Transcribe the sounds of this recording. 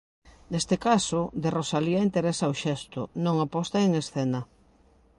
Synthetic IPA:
nest̪ekasoðerosaliaint̪eɾesaoʃɛst̪ʊ̰nõŋapɔst̪aeŋesθɛnɐ

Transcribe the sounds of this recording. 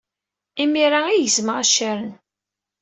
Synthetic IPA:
imiɾaijəzməʁaʃːaɾən

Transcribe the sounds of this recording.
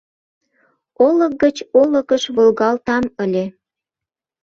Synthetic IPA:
olək̚ɡət͡ɕoləkəʃβolɣɑlt̪ɑməlʲe

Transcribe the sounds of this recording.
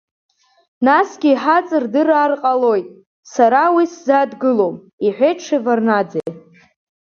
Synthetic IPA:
nasɡʲiːħat͡sʼɨrdɨrarqʼalo̞jtʼ | saɾawiszadɡɨlom | iħʷᶣeʈ͡ʂʰivarnad͡zej

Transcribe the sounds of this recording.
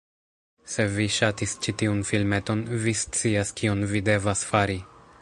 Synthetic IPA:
se̞viʃatist͡ʃitiunfilme̞to̞nvist͡siaskionvide̞vasfaɾi

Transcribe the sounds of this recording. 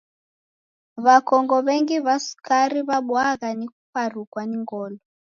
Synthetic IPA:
βakɔŋɡɔβɛŋɡiβasu̥kaɾiβaɓwaɣanikupaɾukwaniŋɡɔːlɔ

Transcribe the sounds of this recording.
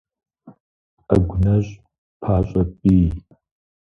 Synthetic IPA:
ɐ̰ɡʷʊnɐɕ | pʰaːɕʷʼɐpʼiː

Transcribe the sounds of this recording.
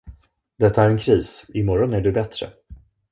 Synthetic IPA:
d̪ɛt̪ːaæɾɛnkʰɾiːsɪmɔɾɔnæɖɵbɛt̪ɾə̰

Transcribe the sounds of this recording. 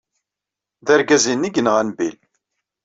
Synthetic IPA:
ðæɾɡæzinːiɡənʁænbil

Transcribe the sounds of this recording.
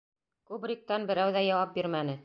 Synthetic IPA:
kubɾʲik̚t̪ɑnbɘ̆ɾæwðæjɑwɑp̚biɾmænɘ

